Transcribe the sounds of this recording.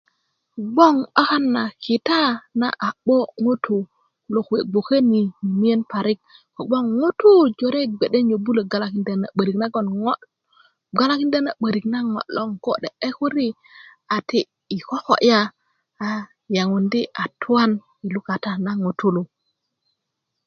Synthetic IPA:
ɡ͡bo˦ŋa˦ka˦nːa˨kʰi˨ta˦na̰˦ʔa˨ɓo˦ŋo˦tʰu˨ | lo˨ke˨ɡ͡bo˨ke˦ni˨i˨mi˦je˦npa˨ɾi˦k̚ko˨ɡ͡bo˦ŋŋo˦tu˦d͡ʒo˨ɾe˦ɡ͡be˨ɗe˦ɲo˨bu˦le˨ɡa˨la˦ki˦nde˦˨na̰˨ɓə˨ɾi˨kna˦ɡo˨nŋo˦ | ɡa˦la˦ki˦nde˦na˨ɓə˨ɾi˨kna˦ŋo̰˨lo˦ŋko̰˦de˨e˦ku˦ɾi˦ | a˨ti˦ | i˨ko˦ko̰˨ʔjaː˦˨ | ja˨ŋu˨ndi˦ʔa˨tʰu˦wa˦n | i˨lu˦ka˨ta˦na˦ŋo˨tʰu˦lo˨

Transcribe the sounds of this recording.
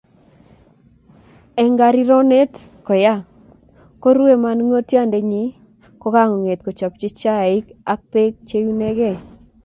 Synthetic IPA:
ɛ˨ŋɡa˨ɾi˦ɾɔ˦ne˦t | kɔ˨ja˦ | ko˦ɾwe˨ma˨nŋo˦tja˦˨nde˨ɲi˨ | kɔ˦ka˦ŋɔ˨ŋe˨tko˨t͡ʃa˨p̚t͡ʃɪ˦t͡ʃa˦˨ɪ˦ka˦k̚pe˦k̚t͡ʃe˦ju˦nɛ˦ɡɛ˦˨

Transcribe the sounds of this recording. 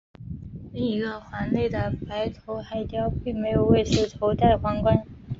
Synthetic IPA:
li˥˩ŋi˧˥ɡə˧xwa˧˥nle˥˩ɪd̪ə˩pa˧˥ɪt̪ʰo˧˥ʊxa˧˥ɪ˧t͡ɕ̪jɑ˥ʊpi˥˩ŋme˧˥ɪjo˨˩ʊwe˥˩ʂu˥t̪ʰo˧˥ʊt̪a˥˩ɪxwa˧˥ŋkwa˥n

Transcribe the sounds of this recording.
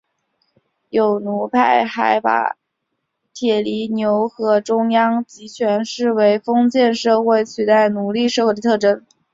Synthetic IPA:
jo˨˩ʊnu˧˥pʰa˥˩ɪxa˧˥ɪpa̰˨˩ | t̪ʰjɛ˨˩li˧˥njo˧˥ʊxɤ˧˥ʈ͡ʂʊ˥ŋjɑ˥ŋt͡ɕi˧˥t͡ɕʰɥɛ˧˥nʂɻ̩˥˩we˧˥ɪfɤ˥ŋt͡ɕjɛ˥˧nʂɤ˥˧xwe˥˩ɪt͡ɕʰy˨˩t̪a˥˩ɪnu˧˥li˥˧ʂɤ˥˧xwt̪ʰɤ˥˩ʈ͡ʂə˥n

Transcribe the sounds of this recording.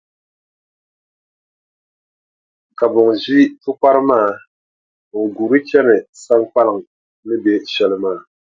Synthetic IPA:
ka˨bʊ˨ŋʒi˦tʊ˦k͡pa˦ɾɨ˦maː˦˨ | ŋ̩˨ɡu˨ɾɨ˦t͡ʃɛ˦nɨ˨sa˦ŋk͡pa˦lɪ˨ŋ˨ | nɨ˦bɛ˦ʃɛ˦lɨ˦maː˦˨

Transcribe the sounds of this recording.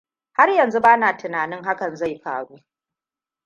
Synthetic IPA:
ha˦rjɐ˨nzu˦baː˦naː˨tʊ˨naː˨nɪ˦ŋɦa˦kɐ˨nza˦˨jɸa̰ː˨ɽuː˦

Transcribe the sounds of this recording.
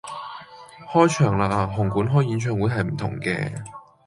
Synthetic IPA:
hɔː˥jt͡ʃʰœː˨˩ŋlaː˨˩k̚aː˨˧ɦʊ˨˩ŋkuː˨˥nɦɔː˥jiː˨˥nt͡ʃʰœː˧ŋwuː˨˥jɦɐ˨˩jm̩˨˩t̪ʰʊ̰˨˩ŋkɛ̰ː˧

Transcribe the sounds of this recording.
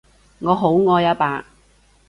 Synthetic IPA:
ŋɔː˨˧ɦo˨˥wŋɔː˧jɐ˥paː˨˧

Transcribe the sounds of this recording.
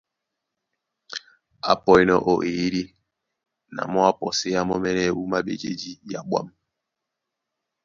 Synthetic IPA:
a̰˨pɔ˨i˨nɔ˨ʔo˨ʔe˨˦ɾi˦ | na̰˨mɔ˦a˦pɔ˨si˦a˦mɔ˦mɛ˦nɛ˦˨wu˦ma˦ɓḛ˨d͡ʒe˦d͡ʒi˦ja˨ɓwa̰˦m

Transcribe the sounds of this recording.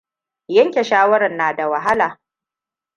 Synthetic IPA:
jɐ˦ŋkʲe˨ʃaː˦wɐ˦ɾɐ˨nːaː˨da˨wɐ˨ɦa˦laː˨

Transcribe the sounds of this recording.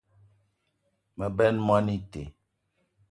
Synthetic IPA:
mə˨bɛ˦nmwa˦ni˦te˨

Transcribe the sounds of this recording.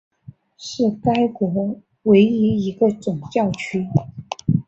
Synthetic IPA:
ʂɻ̩˥˩ka˥ɪkwɔ˧˥ | we˧˥ɪi˧˥i˧˥ɡə˧t͡sʊ˨˩ŋt͡ɕjɑ˥˩ʊt͡ɕʰy˥

